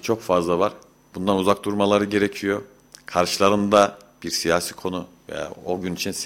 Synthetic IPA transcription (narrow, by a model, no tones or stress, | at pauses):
t͡ʃʰo̞kfazlˠavaɾ̥ | bund̪anuzak̚d̪uɾmalˠaɾɯɟe̞ɾecʰijo̞ | kʰaɾʃɯlˠaɾɯnd̪ab̥iɾsijaːsiːkʰo̞nuvḛja̰oɟynit͡ʃʰins